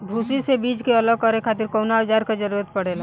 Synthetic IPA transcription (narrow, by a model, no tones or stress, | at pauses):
bʱuːsisebiːd͡ʒkeələɡkɔɾekʰaːt̪ɪɾkoːnad͡ʒaːɾked͡ʒəɾuːɾət̪pəɽeːl